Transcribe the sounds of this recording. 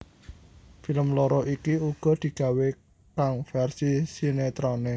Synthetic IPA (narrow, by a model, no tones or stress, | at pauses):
filəmloɾɔʔikiuɡ̥ɔ̤d̪̥i̤ɡ̥ä̤we | kaŋfɛrsisinet̪ɾone